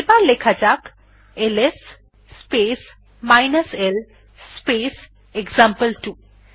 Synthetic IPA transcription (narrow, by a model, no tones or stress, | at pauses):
balekʰad͡ʒak | elesː | peːs | majnɐsel | speːs | eɡzampəlʈu